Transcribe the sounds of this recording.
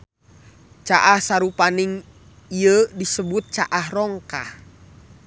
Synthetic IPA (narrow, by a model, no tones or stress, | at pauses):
t͡ʃaʔahsaɾupaniŋ | iədisəbut̪̚t͡ʃaʔahrɔŋkah